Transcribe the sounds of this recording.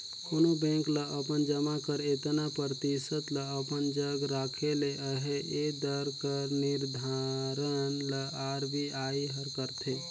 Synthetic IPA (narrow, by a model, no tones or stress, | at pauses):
konobɛ̃ːŋkləʔəpənd͡ʒəmakəɾet̪napəɾt̪isət̪ləəpənd͡ʒəɡɾaːkʰeleʔəɦeed̪əɾkəɾnɪɾd̪ʱaɾənləaːɾbʱiaːiɦəɾkəɾt̪ʰeː